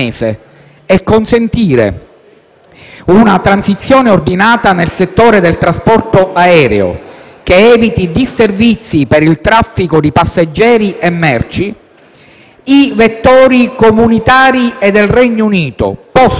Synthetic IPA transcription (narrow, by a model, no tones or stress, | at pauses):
eːsḛ | ɛkːonsent̪iːɾḛ | unat̪ɾansit̪sːjoːneord̪inaːt̪anelset̪ːoːɾed̪elt̪ɾaspɔrt̪oʔaɛːɾḛo̰ | keɛːvit̪id̪isːervit̪sːipeɾilt̪ɾafːikod̪ipasːad͡ʒːɛːɾiʔemːɛrt͡ʃi | ivet̪ːoːɾikomunit̪aːɾied̪ːelrɛɲːouniːt̪o̰pɔ